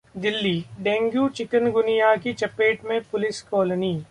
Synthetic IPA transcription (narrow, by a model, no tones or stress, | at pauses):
d̪ɪlːiːɖɛ̃ːŋɡjuːt͡ʃɪkənɡʊnijakit͡ʃɐpeːʈmẽpʊlɪskɔːləniː